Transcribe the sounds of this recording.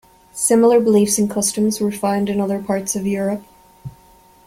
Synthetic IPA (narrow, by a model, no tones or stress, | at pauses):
sɪ̃ml̩ˠə˞bəlifsɨ̃n̩kʰʌstɨ̃mzwə˞fãɪ̃ndɨ̃nʌðə˞pʰɑɹtsʌvjʊɹɨp̚